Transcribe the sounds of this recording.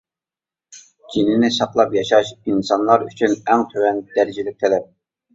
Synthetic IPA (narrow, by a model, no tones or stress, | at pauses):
d͡ʒ̥ʲinɪnɪsɑqlˠɑpjɑʃɑʃinsɑnlˠɑɾyt͡ʃʰynɛŋt̪ʰøwɛnd̪̥æɾd͡ʒilɪk̚ʲt̪ʰɛlɛp̚